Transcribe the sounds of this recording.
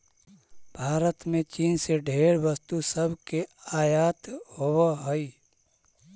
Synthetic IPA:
bʱaːɾət̪mẽt͡ʃiːnseɖʱeːɾʋəst̪usəbʱkeaːjaːt̪howaɦoi

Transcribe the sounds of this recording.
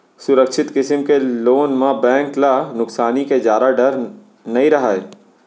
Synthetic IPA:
sʊɾəkʃɪt̪kɪsəmkeloːnmãbɛ̃ːŋklanʊksaːniked͡ʒaːɾaɖɐɾ | nɐɦĩɾɐɦaːeː

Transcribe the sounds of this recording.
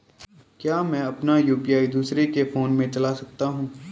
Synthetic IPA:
kjaːmɛ̃ːɐpnajuːpijaːid̪uːsɾekefoːnmẽt͡ʃɐlasɐk̚t̪aɦũː

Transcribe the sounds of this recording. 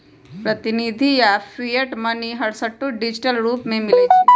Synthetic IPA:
pɾət̪inid̪ʱijafijəʈmɐniɦɐɽsəʈːuɖid͡ʑʈəlɾuːpmẽmilet͡ʃʰe

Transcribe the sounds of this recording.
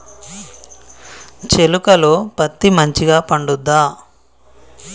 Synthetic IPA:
t͡ʃelukɐloːpɐt̪ːimɐɲt͡ʃiɡaːpɐɳɖud̪ːaː

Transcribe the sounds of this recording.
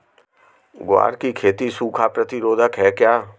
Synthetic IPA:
ɡwa̰ːɾkikʰeːt̪isuːkʰaːpɾət̪ɪɾoːd̪ʱəkɦɛːkjaː

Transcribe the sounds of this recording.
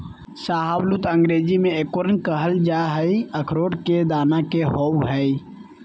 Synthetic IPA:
saɦablut̪əŋɡɾed͡ʒimeekoɾənkəɦəld͡ʒaɦəjəkʰɾoɽked̪anakeɦowɦəj

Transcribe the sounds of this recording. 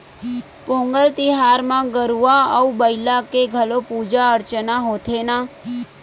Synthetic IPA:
põŋɡəlt̪iɦaɾmãɡəɾuaəubəjlakeɡʱəlopud͡ʒaəɾt͡ʃənaɦot̪ʰena

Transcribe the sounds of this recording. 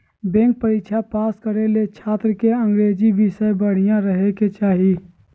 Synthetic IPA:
bẽːŋk̚pəɾiːkt͡ʃʰapaːskəɾelet͡ʃʰaːt̪ɾəkeə̃ŋɡɾeːd͡ʒiʋɪʃəjbəɽ̤ɪjãɾəɦeket͡ʃaːɦi

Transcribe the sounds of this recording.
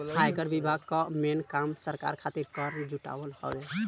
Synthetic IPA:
hajkəɾbibʱaɡkamenkamsəɾka̰ɾkʰat̪iɾkəɾd͡ʒuʈa̰ʋəlhɔ̰dɛ

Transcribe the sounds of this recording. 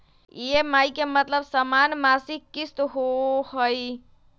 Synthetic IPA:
jemajkemət̪ləbsəmanmasikːist̪ɦohəj

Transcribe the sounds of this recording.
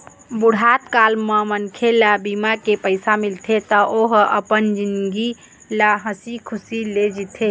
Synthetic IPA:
buɽ̤ʱat̪kalməmənkʰelabimakepəɪsamilt̪ʰet̪ɔʔoɦəpənd͡ʒinɡi | laɦəsikʰusiled͡ʒit̪ʰe

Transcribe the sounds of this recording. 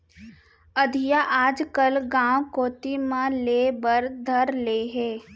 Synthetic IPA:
əd̪ʱijaʔaːd͡ʒkəlɡãːwkoːt̪imãleːbəɾd̪ʱɐɾleːɦɛː

